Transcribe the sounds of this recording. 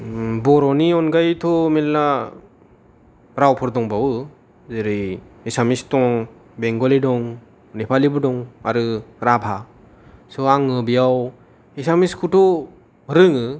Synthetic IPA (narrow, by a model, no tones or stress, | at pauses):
bɔɾɔniɔnɡajtʰɔmelːa | ɾawpʰɔɾdɔŋbawɯ | zɯɾiesamistɔŋ | beŋɡɔledɔŋ | nepʰalibɯdɔŋaɾɯɾabʰʱa | sɔaŋɯbijaw | esamiskʰutɔ | ɾɯŋɯ